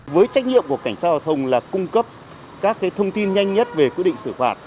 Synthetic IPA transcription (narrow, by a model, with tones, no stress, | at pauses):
vəː˨˦jt͡ɕa˦˥k̟̚ɲḭ˧˨əmku˧˩əka˧˩jŋ̟saː˦˥t̚za˧˩t̪ʰə˧wŋ͡mlaː˨˩kʊ˧ŋ͡mkə˦˥p̚ | kaː˦˥kːaː˨˦jt̪ʰə˧wŋ͡mt̪i˧nɲa˧jŋ̟ɲə˦˥t̚ve˨˩kwi˦˥ɗḭ˧˨ŋsɨ˧˩faː˨˩t̚